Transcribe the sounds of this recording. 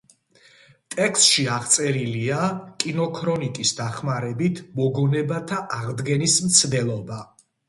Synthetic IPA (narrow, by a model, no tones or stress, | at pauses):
t̪ʼɛkst̪ʃiaʁt̪sʼɛɾiliakʼinɔkʰɾɔnit̪ʼisd̪aχmaɾɛbit̪ʰmɔɡɔnɛbat̪ʰaʔaʁd̪ɡɛnismt̪sʰd̪ɛlˠɔba